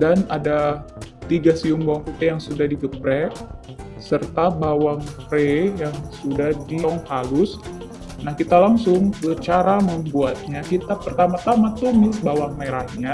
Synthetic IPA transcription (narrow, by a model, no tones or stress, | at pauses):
danadat̪iɡasiʊŋbawaŋput̪ɛjaŋsudahdiɡəpɾɛ | sərt̪abawaŋrejaŋsudahdiŋhalʊs | nahkit̪alaŋsʊŋkət͡ʃaɾaməmbuat̪̚ɲakit̪apərt̪amat̪amat̪umɪsbawaŋmeɾahɲa